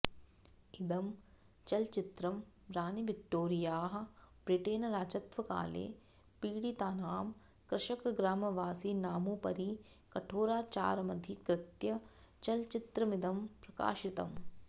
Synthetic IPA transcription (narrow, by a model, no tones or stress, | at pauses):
id̪ɐm | t͡ʃɐlt͡ʃit̪ɾɐm | ɾaːnibik̚ʈːoːɾijaːɦɐ̆bɾiʈeːnɐɾaːd͡ʒɐt̪ʋɐka̰ːlḛː | piːɽit̪aːnaːm | kɾɐʃɐkɡɾaːmɐʋaːsiːnaːmupɐɾi | kɐʈʰoːɾaːt͡ʃa̰ːɾɐmɐd̪ʱikɾɪt̪jɐ | t͡ʃɐlt͡ʃit̪ɾɐmid̪ɐmpɾɐka̰ːʃit̪ɐm